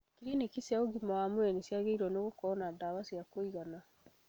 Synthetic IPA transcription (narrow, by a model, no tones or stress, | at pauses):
kiɾinekisaoɡimawamowɛnisjaɣeiɾwɔnoɣokɔnadaβasiakoiɣana